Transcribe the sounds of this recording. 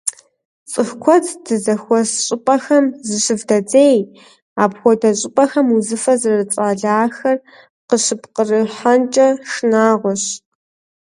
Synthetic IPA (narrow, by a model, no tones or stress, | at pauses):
t͡sʼɨxkʷʰɔtʰd̥ɨzɐxʷɔsɕʼɪpʼɐxɐmzɨɕɪvdɐd͡zeːj | aːpxʷɔdɐɕʼɪpʼɐxɐmuzɨfɐzɐrɐrɨt͡sʼaːɮaːxɐr | qəɕɨpqərɨħant͡ʃʼɐʂnaːʁʷɔɕ